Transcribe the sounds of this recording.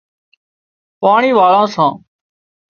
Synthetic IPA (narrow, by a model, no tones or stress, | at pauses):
paːɳiːʋaːɭãːsãː